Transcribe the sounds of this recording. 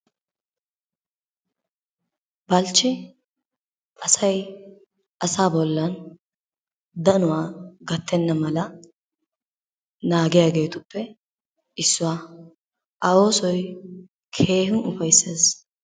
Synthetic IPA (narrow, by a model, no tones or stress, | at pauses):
bɐlt͡ʃːɪ | ʔɐsɐj | ʔɐsaːbɔlːɐn | d̪ɐnʊwaːɡɐt̪ʰːɛnːɐmɐlɐ | naːɡɪjaːɡe̞ːt̪ʊpːɛ | ʔɪsːʊwaː | ʔɐo̞ːsɔj | kʰe̞ːɦʊnʊfɐjsːeːs